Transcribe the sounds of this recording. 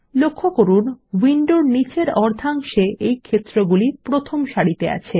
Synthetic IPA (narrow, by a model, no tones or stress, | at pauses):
lokʰːokoɾunwiɳɖoɾnit͡ɕeɾɔɾd̪ʱaŋʃeejkʰet̪ːɾoɡulipɾot̪ʰomʃaɽit̪ea̰t͡ɕʰe